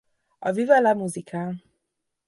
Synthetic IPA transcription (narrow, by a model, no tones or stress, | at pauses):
ɒvivalamuzikʰa